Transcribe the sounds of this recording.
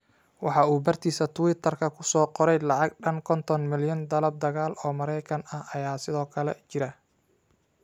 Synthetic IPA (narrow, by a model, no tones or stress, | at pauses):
wɑħɑuːbɐrt̪ʰiːsɐt̪ʰʊwɪt̪ʰɐrkʰɐkʰʊsɔːqɔɾɛjlɑʕɑɡɖɐnkʰɔnt̪ʰɔnmɪljɐnd̪ɐlɐb̚d̪ɐɣaːlʔɔːmɐɾɛjkʰɐnɐhɐjaːsɪðɔːkʰɐlɛt͡ʃɪɾɐ